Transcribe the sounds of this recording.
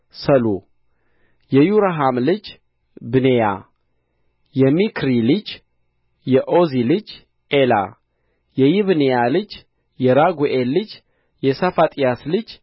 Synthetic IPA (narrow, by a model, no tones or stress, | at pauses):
səlu | jɛjuɾaɦamlɨd͡ʒ | bɨneja̰ | jɛmikʰɾilɨd͡ʒ | jɛʔozilɨd͡ʒ | ʔela̰ | jɛjiβnejalɨd͡ʒ | jɛɾaɡʷuʔelːɨd͡ʒ | jɛsafat̪ʼijaslɨd͡ʒ